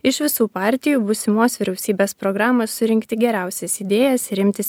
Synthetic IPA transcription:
ɪʃʋʲɪsuːpɑːˑɾʲt̪ʲɪjuːbʊsʲɪmoːsʋʲɪɾʲɛʊsʲiːbʲeːspɾoɡɾɑːmɐsːʊɾʲɪŋʲkt̪ʲɪɡʲɛɾʲæˑʊsʲɛsiːd̪ʲeːjɛsɪɾʲɪmʲt̪ʲɪs

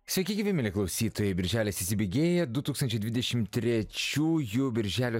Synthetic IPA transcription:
sʲʋʲɛkʲɪɡʲɪʋʲemʲɪlʲeklˠɐʊsʲiːt̪oːjeːbʲɪɾʲʒʲæːlʲeːsɪsʲɪbʲeːɡʲeːjɛd̪ʊt̪uːkst̪ɐnʲt͡ʃʲɛɪd̪ʋʲɪd̪ʲɛʃʲɪmt̪ʲɾʲɛt͡ʃʲuːjuːbʲɪɾʲʒʲæːlʲo

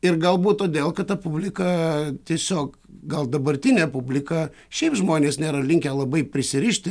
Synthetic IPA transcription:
ɪrɡɐlˠbuːt̪t̪oːd̪ʲeːlˠkɐt̪t̪ɐpʊbʲlʲɪkɐt̪ʲiɛsʲoːk | ɡɐlˠd̪ɐbɐɾʲt̪ʲɪnʲepʊbʲlʲɪkɐ | ʃʲɛɪpʒmoːnʲeːsnʲeːɾɐlʲɪŋʲkʲɛlˠɐbɐɪpʲɾʲɪsʲɪɾʲɪʃʲt̪ʲɪ

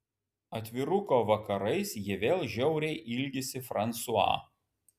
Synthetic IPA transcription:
ɐt̪ʲʋʲɪɾʊkoːʋɐkɐɾɐɪsjiɪɛʋʲeːlˠʒʲɛʊɾʲɛɪʔɪlʲɡʲɪsʲɪfɾɐnˑt̪sʊɑ̰ː

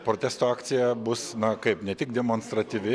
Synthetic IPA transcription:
pɾoːt̪ʲæːst̪oːɑːkt̪sʲɪjɛbʊsnɐkɐɪpnʲɛt̪ʲɪk̚d̪ʲɛmoːnst̪ɾɐt̪ʲiʋʲɪ

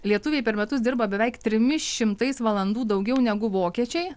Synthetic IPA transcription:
lʲiɛt̪ʊʋʲeːjpʲɛɾmʲɛt̪ʊsd̪ɪɾbɐbʲɛʋʲɛɪkt̪ʲɾʲɪmʲɪʃʃʲɪmt̪ɐɪsʋɐlˠɐnd̪uːd̪ɐʊɡʲɛʊnʲɛɡʊʋoːkʲiɛt͡ʃʲɛɪ

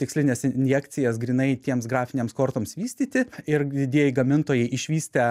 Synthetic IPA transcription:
t̪ʲɪksʲlʲɪnʲeːsnʲjɛkt̪sʲɪjɛsɡɾʲiːnɐɪt̪ʲiɛmsɡɾɑːfʲɪnʲeɛmskoːɾt̪oːmsʋʲiːsʲt̪ʲiːt̪ʲɪɪɾd̪ʲɪd̪ʲiɛjɪɡɐmʲɪnt̪oːjɛɪʔɪʃʲʋʲiːsʲt̪ʲɛ

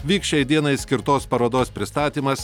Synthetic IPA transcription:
ʋʲiːkʃʲɛɪd̪ʲiɛnɐɪsʲkʲɪɾt̪oːspɐɾoːd̪oːspʲɾʲɪst̪ɑːt̪ʲiːmɐs

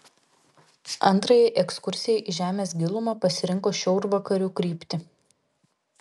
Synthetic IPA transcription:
ɐ̰nˑt̪ɾɐjɛʔɛkskʊɾʲsʲɪjɛʔiʒʲæːmʲeːsɡʲɪlˠʊmɐːpɐsʲɪɾʲɪŋkoːʃʲɛʊɾʋɐkɐɾʲuːkɾʲiːpʲt̪ʲɪ

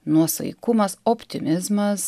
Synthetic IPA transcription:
nuɔsɐ̰ɪkʊmɐsopʲt̪ʲɪmʲɪzmɐs

